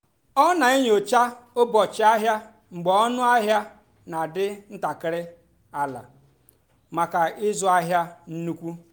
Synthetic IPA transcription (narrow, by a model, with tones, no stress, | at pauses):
ɔ˦na˨ɪ˦ɲ˨o˨t͡ʃa˦o˦bɔ˨t͡ʃɪ˨a˦ɦja˦ | ŋ͡m̩˨ɡ͡bɔ˨ɔ˦nʊ˦a˦ɦja˦ | na˨dɪ˦n̩˦ta˨kɪ˨ɾɪ˦ | a˦la̰˨ | ma˨ka˨ɪ˦zʊ˨˦a˦ɦja˦n̩˦nu˦kʷu˦